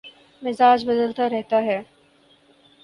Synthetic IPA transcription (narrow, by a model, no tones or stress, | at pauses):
mɪzaːd͡ʒbɐd̪əlt̪aɾɛɦt̪aɦɛː